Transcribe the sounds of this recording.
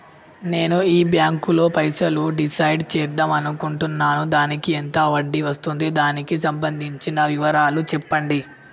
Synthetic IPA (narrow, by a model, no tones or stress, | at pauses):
ne̞ːnuiːbjaːŋkulo̞ːpɐjsɐluɖisɐjɖt͡ʃɛːɾd̪aːmɐnukuɳʈunːaːnud̪aːnikient̪ɐʋɐɖːiʋɐst̪und̪id̪aːnikisɐmbɐnd̪ʱiɲt͡ʃinɐʋiʋɐɾaːlut͡ʃɛpːɐɳɖi